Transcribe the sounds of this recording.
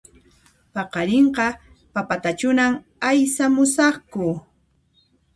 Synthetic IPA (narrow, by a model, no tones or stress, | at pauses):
pɑqɑɾeɴqɑ | papat̪at͡ʃʊnam | ajsamʊsɑχkʊ